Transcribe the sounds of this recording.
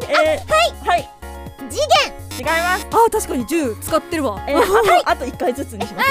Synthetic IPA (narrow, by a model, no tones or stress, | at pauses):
haihai | d͡ʑiɡẽŋ | t͡ɕiɡaimasat̪aɕi̥kaɲ̟id͡ʑɨːt͡sɨ̥kat̪ːe̞ɾɯ̟βaeiʔat̪o̞ikːait͡sɨt͡sɨɲɕimas